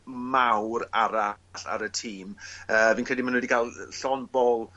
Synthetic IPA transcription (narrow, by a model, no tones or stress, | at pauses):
mawɾaɾaɬa̰ɾətʰiːməːviːnkʰrɛdimanwɛdiɡalˠɬɔnbɔlˠ